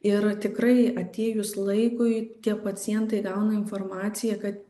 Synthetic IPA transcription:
ɪɾt̪ʲɪkɾɐɪɐt̪ʲeːjʊslˠɐɪkʊɪt̪ʲiɛpɐsʲɪjɛnt̪ɐɪɡɐʊnɐɪnformɑːt̪sʲɪjɛkɐt̪

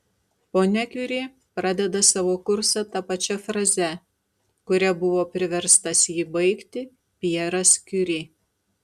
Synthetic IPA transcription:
poːnʲɛkʲʊɾʲeː | pɾɑd̪ʲɛd̪ɐsɑʋoːkʊɾsɐt̪ɐpɐt͡ʃʲɛfɾɐzʲɛ | kʊɾʲɛbʊʋoːpʲɾʲɪʋʲɛɾst̪ɐsjiːbɐɪkt̪ʲɪ | pʲiɛɾɐskʲʊɾʲeː

